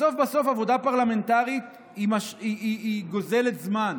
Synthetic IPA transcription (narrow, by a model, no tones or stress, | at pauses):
so̞fbaso̞favo̞d̪apaʁlame̞nt̪aʁit̪ | imaʃiiiɡo̞ze̞let̪zman